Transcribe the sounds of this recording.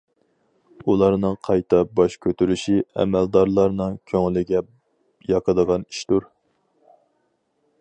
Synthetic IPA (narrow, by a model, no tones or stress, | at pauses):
ulˠɑɾnɨŋqʰɑjt̪ʰɑbɑʃkʲʰøt̪ʰyɾyʃiɛ̰mɛld̪ɑɾlˠɑɾnɨŋkʲʰøŋlɪɡʲɛ | jɑqʰəd̪əʁɑni̥ʃt̪uɾ